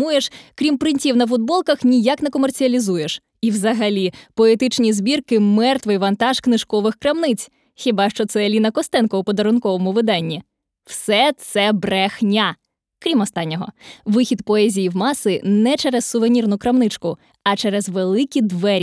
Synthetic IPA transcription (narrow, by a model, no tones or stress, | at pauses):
ujeʃkɾʲimpɾɪnʲtʲiwnɐf̬ʊd̪̚bɔlˠkɐxnʲijaknɛkɔmert͡sʲiɐlʲizujeʃ | iwzɐɦɐlʲipɔet̪ɪt͡ʃnʲizbʲirkɪmɛrt̪ʋɪjʋɐnt̪ɑʃknɪʃkɔʋɪxkɾɐmnɪt͡sʲ | xʲibɑʃt͡ʃɔt̪sɛlʲinɐkɔst̪ɛnkɔupɔd̪ɐɾʊnkɔʋɔmʊʋɪd̪ɑnʲːi | wsɛt̪sɛbɾɛxnʲa | kɾʲimɔst̪ɑnʲːɔɦɔ̰ʋɪxʲid̪pɔɛzʲijiwmɑsɪnɛt͡ʃɛɾɛssʊʋenʲirnʊkɾɐmnɪt͡ʃkʊ | ɐt͡ʃɛɾɛzʋelˠɪkʲid̪ʋɛɾʲ